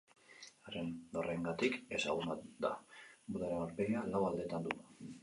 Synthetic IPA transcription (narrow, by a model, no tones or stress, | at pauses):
arend̪o̞reŋɡat̪ike̞saɣ̞unad̪a̰buðaɾenoɾpejalawald̪e̞t̪and̪ua